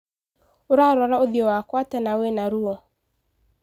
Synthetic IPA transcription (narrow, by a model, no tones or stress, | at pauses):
oɾaɾɔɾaoðiɔwakwatɛnawenaɾuɔ